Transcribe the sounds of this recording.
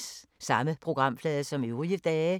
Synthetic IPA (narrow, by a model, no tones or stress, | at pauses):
ssɑ̈məpʰʁo̝ɡ̥ʁɑ̈m̰flɛːðˠsɒ̽meʊʁojid̥ɛː